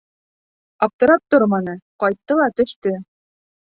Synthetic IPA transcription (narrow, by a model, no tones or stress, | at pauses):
ɑp̚t̪ɤ̆ɾɑp̚t̪oɾmɑnɤqɑjt̪ːɤlˠɑt̪ɵ̆ʃt̪ɵ